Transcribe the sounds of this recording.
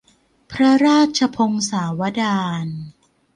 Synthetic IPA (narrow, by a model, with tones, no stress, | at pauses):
pʰɾa˦˥ɾaː˥˩t̪̚t͡ɕʰa˧pʰo˧ŋsaː˩˦wa˦˥daː˧n